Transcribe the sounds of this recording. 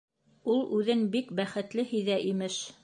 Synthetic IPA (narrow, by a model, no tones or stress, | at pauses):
ulˠʉðɘnbikbæχɘ̆t̪lɘhĭjðæʔimɘʃ